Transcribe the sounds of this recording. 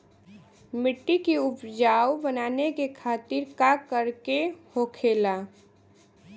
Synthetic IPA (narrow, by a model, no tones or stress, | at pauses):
mɪʈːikiʊpd͡ʒaːwbənaːnekekʰaːt̪ɪɾkakəɾkehokʰela